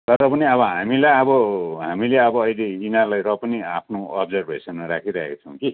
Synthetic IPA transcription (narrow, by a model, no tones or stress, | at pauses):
t̪ʌɾʌpʌniʌβʌɦamilajʌbʌɦamileʌbʌːjleinarlajɾʌpʌniapʰnoʌbd͡zʌrbʱesʌnmʌɾakʰiɾʌɦḛkʌt͡sʰʌw̃ki